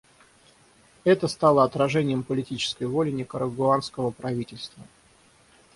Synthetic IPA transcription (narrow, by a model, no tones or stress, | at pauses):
ɛt̪əst̪alˠəɐt̪ɾɐʐɛnʲɪjəmpəlʲɪtʲit͡ɕɪ̥skəjvolʲɪnʲɪkəɾəɡʊanskəvəpɾɐvʲitʲɪlʲst̪və